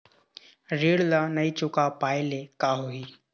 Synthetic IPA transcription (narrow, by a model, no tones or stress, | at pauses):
ɾiːɽlanɐit͡ʃʊkapaːjlekaɦuiː